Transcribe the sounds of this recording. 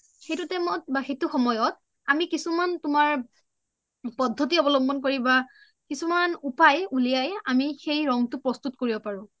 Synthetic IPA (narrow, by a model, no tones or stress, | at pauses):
xejtutɛmɔt̚baxetuxɔmɔjɔt̚ | amikisumantʊmaɹ | pɔdʱːɔtiɔbɔlɔmbʱɔnkoɹiba | kisumanupajulijaja̰mixejɹɔŋtʊpɹɔstutkoɹibɔpaɹʊ̃